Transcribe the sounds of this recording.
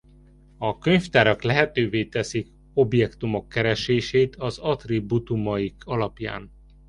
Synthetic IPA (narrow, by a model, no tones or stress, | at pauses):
ɒkø̞ɲft̪aːɾɒklɛɦɛt̪øːveːt̪ɛsik | o̞bjɛkt̪umo̞kːɛɾɛʃeːʃeːt̪ʰɒzɒt̪ribut̪umɒjikʰɒlɒpja̰ːn